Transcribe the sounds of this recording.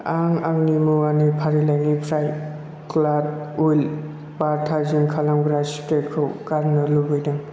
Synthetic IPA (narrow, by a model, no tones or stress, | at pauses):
aŋaŋnimuanipʰaɾilajŋipʰɾaj | klad̚ul | baɾtʰazinkʰalaŋɡɾaspɾekʰɯwkaɾnɯlubɯjdaŋ